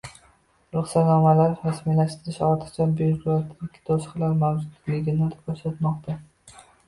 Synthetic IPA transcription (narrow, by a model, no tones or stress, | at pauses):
ɾʊχsat̪nɒmalaɾɾasmilaʃt̪ɪɾɪʃɒɾt̪ʰɨ̥qt͡ʃʰanbekt̪ʰɪkʲʰːɪ̥d̪ʰosqlaɾmawd͡ʒʊd̪lɪɡʲɪnakʰoʃat̪mɒqt̪ʰa